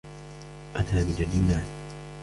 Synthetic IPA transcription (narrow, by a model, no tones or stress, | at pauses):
ʔat̪aːbɪd͡ʒad̪iːnaːn